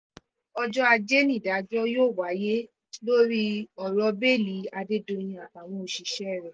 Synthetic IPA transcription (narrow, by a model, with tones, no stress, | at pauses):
ɔ˧d͡ʒɔ˦a˧d͡ʒe˦nĩ˦˨da˨˦d͡ʒɔ˦joː˦˨wa˨˦je˦ | lo˦ɾi˦ɔ˨ɾɔ˨˧be˦˨li˨˦a˧de˦dõ˧j̃ĩ˧a˨ka˨w̃ɔ̃˦o˨ʃi˨˧˦ʃɛ˦˨ɾɛ˨